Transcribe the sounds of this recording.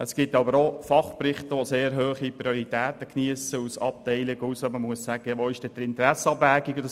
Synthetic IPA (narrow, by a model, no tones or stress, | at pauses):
əsɡ̥ɪtːɑbəɾofɑχprɪχt̪əʋoseːɾɦøːχiprioɾit̪ɛːt̪əkniəsəusɑ̰p̚teɪlɪɡusəməmuəssæɡ̥əʋoɪʃd̥ɛd̥̪əɾɪntəɾæsəɑbʋæːɡiɡd̪ə